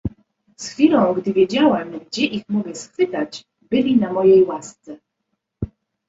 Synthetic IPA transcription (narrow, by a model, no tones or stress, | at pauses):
sxfʲilɔ̃w̃ɡd̪ɘvʲjed͡ʑawɛmɡd͡ʑɛʔixmɔɡʲɛsxfɘt̪at͡ɕ | bɘlʲinamɔjejwast̪sɛ